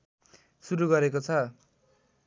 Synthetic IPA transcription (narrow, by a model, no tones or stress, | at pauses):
suɾuɡʌɾekot͡sʰʌ